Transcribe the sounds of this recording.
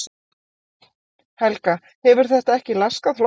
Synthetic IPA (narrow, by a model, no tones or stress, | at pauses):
hɛlka | hɛvʏɾ̥θɛht̪aɛhcɪlaskaðfl